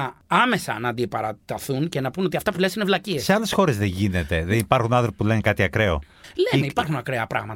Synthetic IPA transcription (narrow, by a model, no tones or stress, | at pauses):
ɐɐme̞sɐnɐːnd̪iepɐɾɐt̪ɐθunce̞nɐpuno̞t̪iɐft̪ɐpule̞sinevlɐciese̞ɐle̞sxo̞ɾe̞zðeɲʝine̞t̪e̞ðenipɐɾxunɐnθɾopulenekɐt̪iɐkɾe̞o̞̰ | lemeipɐɾxunɐkɾeɐpɾɐ̰ɣmɐt̪ɐ